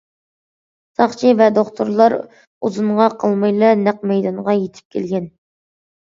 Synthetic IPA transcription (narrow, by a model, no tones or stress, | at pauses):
sɑχt͡ʃʰivɛd̪oχt̪ʰoɾlˠɑɾ | uzuɴʁɑqʰəlˠmɑjlˠɑnæq̚mɛjd̪ɑɴʁɑjet̪ʰɪ̥p̚kʲʰelɡʲɛn